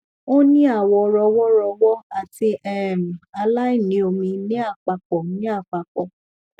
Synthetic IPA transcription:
o˦nĩ˦a˦˨wɔ˧ɾɔ˧wɔ˦ɾɔ˧wɔ˦a˨ti˧ʔɛ˦˨m̩˨a˧la˦i˦˨nĩ˨˦o˧mĩ˧nĩ˦a˦˨k͡pa˧k͡pɔ˨˦nĩ˦a˦˨k͡pa˧k͡pɔ˨

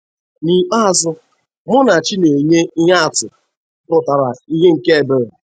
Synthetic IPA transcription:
ni˨k͡pa˦a˨zʊ˦ | mʊ˦na˨t͡ʃi˦ne˨ɲe˦i˦ɦa˦a˨tʊ˨˦ | pʊ˨ta˨ɾa˨i˦ɦe˦ŋ̩˨ke˦e˨be˨ɾe˨

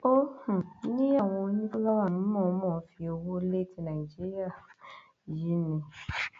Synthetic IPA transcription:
o˦hũ˨˦nĩ˦a˦˨w̃ɔ̃˧˦nĩ˦ku˦la˦wa˨m̩˦mɔ̃˨˦mɔ̃˦˨˦fi˧o˧wo˦le˦ti˧nã˨d͡ʒi˦ɾi˦a˦˨ | ji˨˦nĩ˨

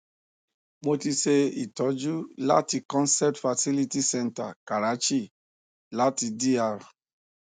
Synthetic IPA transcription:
mo˧ti˧ʃe˧i˨tɔ˨˦d͡ʒu˦la̰˦ti˧kɔ̃˦nsɛ˦p̚tfa˧si˦li˧ti˦sɛ̃˦˧nta̰˨ka˨ɾa˨˦t͡ʃi˦˨ | la˦ti˧di˦a˧ɾa˨

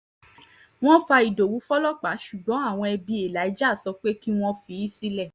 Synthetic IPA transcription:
w̃ɔ̃˦fa˧i˨do˨wu˨˦fɔ˦lɔ˦k͡pa˨˦ʃu˨ɡ͡bɔ̃˨˦a˦˨w̃ɔ̃˧ɛ˧bi˧˦e˨la˨˦i˨˦d͡ʒa˦˨sɔ˧k͡pe˦ki˦w̃ɔ̃˦fi˧i˦si˦lɛ˦˨

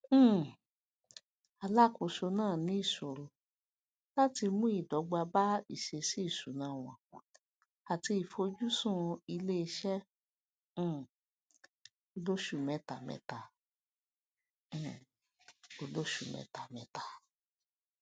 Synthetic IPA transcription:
a˨la˦ko˨˧ʃo˧nãː˦˨nĩ˨˦i˦˨so˨ɾo˧ | la˦ti˧mũ˦i˦˨dɔ˨˦ɡ͡ba˧ba˦ḭ˨ʃe˧si˦i˦˨su˨˦nã˨˦˨w̃ɔ̰̃˨ | a˨ti˧i˨fo˧d͡ʒu˦sũ˦i˧le˦i˧ʃɛ̃˦˨ | o˧lo˦ʃu˦˨mɛ̃˨˧ta˨mɛ̰̃˧˦ta˨ | o˧lo˦ʃu˨mɛ̰̃˨˧ta˨mɛ̃˨˧ta˨

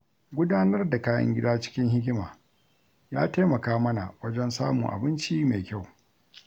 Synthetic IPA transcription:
ɡʷʊ˦daː˦nɐ˦rda˨kaː˦jɐ̰˦ŋɡʲɪ˦daː˦t͡ʃɪ̥˦kʲɪ˦ŋɦɪ˦k̬ʲɪ˦maː˨ | jaː˦ta˦mɐ˨kaː˦mɐ˦na̰˨wɐ˦d͡ʒɛ˦nsa̰ː˦mʊ̰˨ŋʔa̰˨bɪ˦nt͡ʃiː˦meː˨kʲa˦˨w

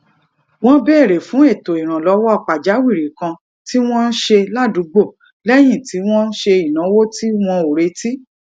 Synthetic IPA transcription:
w̃ɔ̃˦bɛ˦˨ɾe˨fũ˨˦e˦˨to˨i˨ɾ̃ã˨lɔ˨˧wɔ˦a˦˨k͡pa˨d͡ʒa˨˦wi˦˨ɾi˨˦kã˧ | ti˦w̃ɔ̃˦n̩˦ʃe˧la˦˨du˨˦ɡ͡bo˦˨ | lɛ˦j̃ĩ˦˨ti˨˦w̃ɔ̃˦n̩˦ʃe˧i˨nã˨˦wo˦ti˦w̃ɔ̃˧o˨ɾe˧˦ti˦

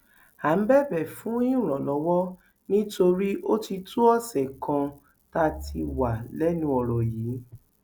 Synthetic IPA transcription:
a˨˦bɛ˦˨bɛ˨fũ˨˦i˦ũ˦˨ɾ̃ɔ̃˨lɔ̃˨˦wɔ˦ | nĩ˦to˧ɾi˦ʔo˦ti˧tu˦ɔ˦˨sɛ˨kʰã˧ | ta˧˦tʰi˧wa˨lɛ˦nũ˧˦ɔ˨ɾɔ˨jiː˨˦

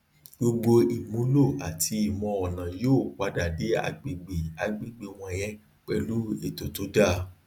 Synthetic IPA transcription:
ɡ͡bo˧ɡ͡bo˧i˨mũ˨˦lo˦˨a˨tʰi˧i˨mɔ̃˧ɔ˨nã˨joː˦˨k͡pa˨˧da˨de˨˦a̰˧ɡ͡be˨ɡ͡be˨a˨ɡ͡be˦˨ɡ͡be˨w̃ɔ̃˧˨jɛ̃˦ | k͡pɛ˧lu˦e˨to˨˦to˦da˦˨˦

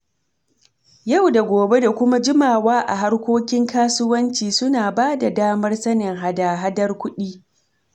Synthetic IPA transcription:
ja˦˨wda˨ɡʷoː˨be˦da˨kʷʊ˦ma˦d͡ʒɪ˦maː˨waː˦ʔa̰˨ɦa˦rkʷoː˦kʲɪ˦ŋkaː˦sʊ˦wɐ˦nt͡ʃiː˨sʊ˦naː˨baː˦da˨daː˦mɐ˦rsɐ˦nɪ˨ŋɦa˦daː˨ɦa˦dɐ˦rkʷʊ˦ɗiː˦

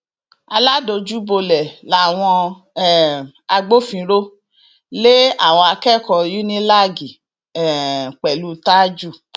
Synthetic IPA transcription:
a˧la˦˨do˧˨d͡ʒu˦bo˧lɛ˨la˨w̃ɔ̃˧˨ | a˧ɡ͡bo˦fĩ˨˧ɾo˦ | le˦a˦˨w̃ɔ̃˧a˧kɛ˦˨kɔ˨ju˦nĩ˦la˦˨ɡi˨ | ɛ˨k͡pɛ˨lu˦ta˦d͡ʒu˦˨

